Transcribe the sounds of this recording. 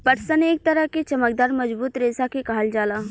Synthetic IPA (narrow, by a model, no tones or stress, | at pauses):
pɐʈsəneːk̚t̪ɐɾəɦket͡ʃɐmək̚d̪aːɾmɐd͡ʒbuːt̪ɾeːsakekaːld͡ʒaːlaː